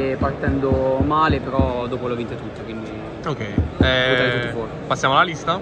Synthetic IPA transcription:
part̪ɛnd̪omaːlepeɾɔd̪oːpolovint̪et̪ut̪ːokwind̪i | okɛjɛoaɾet̪ut̪ːifwɔːɾpasːjamoalːalist̪a

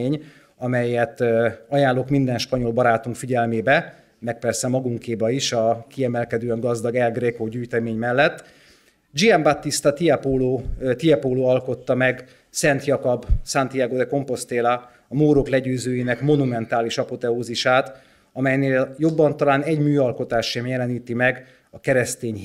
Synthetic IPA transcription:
ɲ | ɒmɛjɛt̪ɒjaːnlːoːkmind̪ɛnʃpɒɲo̞lbɒɾaːt̪uŋkfiɟɛlmeːbɛ | mɛk̚pɛrsɛmɒɡuŋkeːbɒiʃɒkiɛmɛlkɛd̪øːɛŋɡɒzd̪ɒɡɛlɡreːkoɟyːjt̪ɛmeːɲmɛlːɛt̪ː | d͡ʒiɛmbat̪ːist̪ɒt̪iɛpoloːt̪ijɛpoːloːɒlko̞t̪ːɒmɛɡ | sɛnt̪jɒkobsant̪ijaɡod̪ɛko̞mpo̞st̪eːlɒ | ɒmoːɾoklɛɟøːzøːjiːnɛkmo̞numɛnt̪aːliʃɒpo̞t̪ɛoːziʃaːt̪ | ɒmɛjneːljo̞bːɒnt̪ɒlaːnɛɟmyːɒlko̞t̪aːʃemjɛlɛniːt̪imɛɡ | ɒkɛɾɛst̪eːɲ

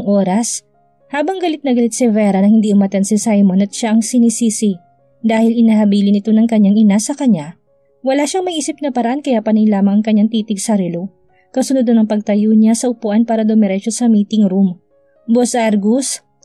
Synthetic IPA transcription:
ŋʔo̞ːɾɐs | haːbɐŋɡɐlɪt̪̚nɐɡɐlɪt̪̚sɛvɛɾɐnɐhɪnd̪iʔʊmɐt̪ɛnsɪsajmonɐt̪̚ʃaʔɐŋsɪnisiːsɪ | d̪aːhɪlɪnahɐbiːlɪnɪt̪o̞nɐŋkɐɲːaŋɪnasɐkɐɲːa | wɐlaʃaŋmɐjʔiːsɪp̚nɐpɐɾɐʔankɐjapɐnɪŋlaːmɐŋɐŋkɐɲːaŋt̪iːt̪ɪɡsɐɾɛlo | kɐsʊnod̪onɐŋpɐɡ̚t̪ɐjoɲasɐʔʊpʊʔanpaːɾɐd̪omɛɾɛt͡ʃosɐmiːt̪ɪŋɾum | bosʔaɾɡus

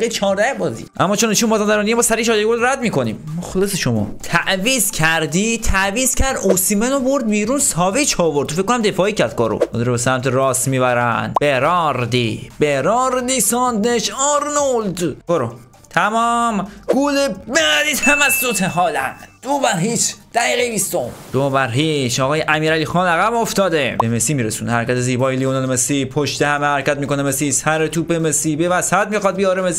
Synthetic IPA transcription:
et͡ʃʰɒːɾd̪æhbɒːzḭːʔæ̰mːɒːt͡ʃʰoniːʃunmbɒːzænd̪æɾɔnijemɒːsæɾiʃɒːjeɡolɾæd̪̚miːko̞niːmmoxleseʃomɒ̰ːt̪ʰæʔviːzcʰæɾd̪iːt̪ʰæviːz̥cʰæɾd̪osiːmenoboɾd̪̚biːɾuːnsɒːvit͡ʃʰɒːvoɾt̪ofeckːonæmd̪e̞fɒːiːcʰæɾd̪̚ɡɒ̰ːɾo̰od̪ɾobesæmt̪ʰeɾɒːst̪miːbæɾæ̰nbeɾɒːɾd̪ib̥eɾɒːɾd̪iːsɒːnd̪eʃɒɾnold̪boɾo | t̪ʰæmɒːmɡuːlebeæd̪iːt̪ʰæmæsːot̪ʰeɦɒːlæd̪̥obæɾɦiːt͡ʃd̪̥æɣiːɣejbist̪omd̪̥obæɾɦiʃɒːɣɒːjeʔæmiːɾæliːxɒːlæɣæboft̪ɒːd̪ebemesiːmiːɾesuːnhæɾcæt̪eziːbɒːjelionɑlemesipʰoʃt̪ehæmehæɾcæt̪̚miːko̞nemesisæɾet̪ʰuːpemesiːbevæshæt̪̚mixɒːd̪̚bijɒːɾemesi

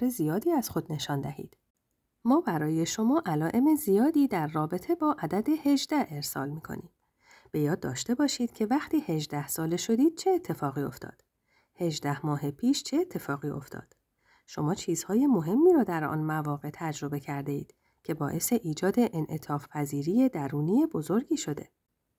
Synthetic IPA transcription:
ɾe̞zijɒːd̪iːæz̥xo̞d̪ne̞ʃɒːnd̪æhḭːd̪̥ | mɒːbæɾɒːje̞ʃo̞mɒːʔælɒːʔe̞me̞zijɒːd̪iːd̪æɾːɒːbe̞t̪ʰe̞bɒːʔæd̪æd̪e̞he̞ʒd̪æheɾsɒ̰ːlmiːkʰo̞̰niːm | b̥e̞jɒːd̪ːɒːʃt̪e̞bɒːʃiːd̪̥cʰe̞væxt̪iːhe̞ʒd̪æhsɒːle̞ʃo̞d̪iːd̪̥̚t͡ʃʰeet̪ʰːe̞fɒːɣiːo̞̰ft̪ʰɒ̰ːd̪̥ | he̞ʒd̪æhmɒːɦepʰiːʃt͡ʃʰeːt̪ʰːe̞fɒːɣiːo̞̰ft̪ʰɒ̰ːd̪̥ | ʃo̞mɒːt͡ʃʰiːz̥hɒːje̞mo̞ɦe̞mːiːɾɒːd̪æɾɒ̰ːnmævɒːɣe̞t̪ʰæd͡ʒɾo̞be̞cʰæɾd̪e̞iːd̪̥ | cʰe̞bɒːʔe̞se̞ʔiːd͡ʒɒːd̪e̞ʔenʔe̞t̪ʰɒːfpʰæziːɾiːje̞d̪æɾuːnije̞bo̞zo̞ɾɡiːʃo̞d̪e̞̰

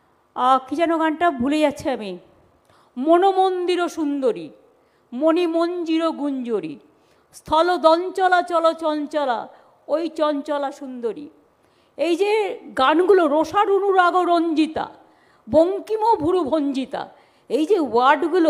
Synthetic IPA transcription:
akit͡ɕanoɡanʈabʱuled͡ʑatːɕʰiami | monomond̪iɾoʃund̪oɾḭ | monimond͡ʑiɾoɡuɲd͡ʑoɾḭ | st̪ʰɔlod̪ɔnt͡ɕɔlat͡ɕɔlot͡ɕɔnt͡ɕɔla̰ | ojt͡ɕɔnt͡ɕɔlaʃund̪oɾḭ | ejd͡ʑeɡanɡuloɾoʃaɾunuɾaɡoɾoɲd͡ʑit̪a̰ | boŋkimobʱuɾubʱoɲd͡ʑit̪a̰ | ejd͡ʑewaɾɖɡulo

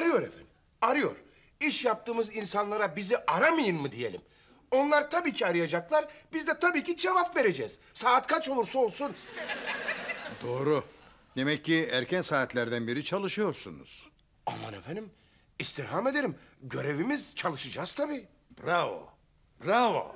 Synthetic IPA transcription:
aɾɯjo̞ɾḛfæ̰nim | aɾɯjo̞̰ɾ̥ | iʃjap̚t̪ɯːmɯzinsanlˠaɾabiziʔaɾamajɯnmɯd̪ije̞lʲḭm | o̞nlˠaɾt̪ʰabiːcʰiaɾɯjad͡ʒaklˠaɾbizd̪ɛt̪ʰabiːcʰid͡ʒevapve̞ɾe̞d͡ʒɛːz̥saːt̪kʰat͡ʃolˠuɾsolˠsun | d̪oːɾu | d̪emɛcːiæɾcʰænsaːt̪lʲæɾd̪ænbiɾit͡ʃʰalˠɯʃɯjo̞ɾsunṵz̥ | a̰ma̰nefænd̪im | ist̪ʰiɾɦame̞d̪e̞ɾimɟø̞ɾe̞vimizt͡ʃʰalˠɯʃɯd͡ʒaːz̥t̪ʰabiː | bɾavo̰ | bɾavo̰

